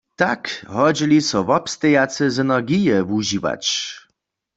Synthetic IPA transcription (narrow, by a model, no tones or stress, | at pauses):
t̪akɦɔd͡ʑilʲisɔvɔpst̪ɛjat̪sɛzɛnaʁɡijɛvuʑiva̰t͡ɕ